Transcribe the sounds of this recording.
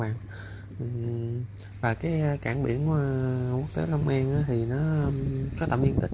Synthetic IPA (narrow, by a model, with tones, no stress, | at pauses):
aː˨˩ŋ | ʔ | vaː˨˩kaː˨˦jkaː˧˩ŋɓḭ˧˩ənə˧ku˦˥k̚t̪e˨˦lə˧wŋ͡mʔa˧ŋʔaː˨˦t̪ʰi˨˩nɔ˨˦ə˧mkɔ˨˦t̪ə̰˧˩mɲi˧ənt̪ï̟˨˩